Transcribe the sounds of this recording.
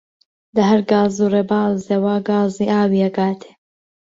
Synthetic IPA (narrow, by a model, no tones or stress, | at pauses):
lɐɦɐɾɡaːzuːrebaːzewaɡaːziːʔaːwiɐɡaːt̪ʰe̥